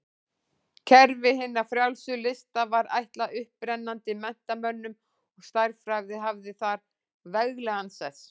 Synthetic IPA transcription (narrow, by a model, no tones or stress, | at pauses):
cʰɛɾvɪɦɪnːafɾjawlsʏlɪst̪avaɾa̰jht̪laʔʏhpɾɛnːant̪ɪmɛn̥t̪amœnːʏm | ɔɣst̪ajɾfɾaɣðɪɦavðɪθaɾ | vɛɣlɛɣansɛs